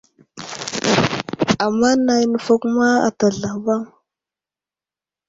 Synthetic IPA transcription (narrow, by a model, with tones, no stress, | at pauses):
a˨mːa˦na˨jnə˦˨fa˦ku˦ma˦a̰˨ta˨ɮa˨va˦ŋ